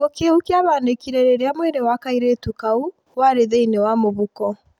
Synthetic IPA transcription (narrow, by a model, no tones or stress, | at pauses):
okeukiaβanekiɾeɾeɾeamwɛnewakaiɾetukau | waɾeðeinewamoβukɔ